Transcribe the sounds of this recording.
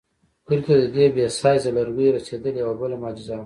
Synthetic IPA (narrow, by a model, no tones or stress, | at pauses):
kuɾk̪ad̪əd̪ebesɑjzalaɾwiɾased̪əliawabəlamɑːd͡ʒɪza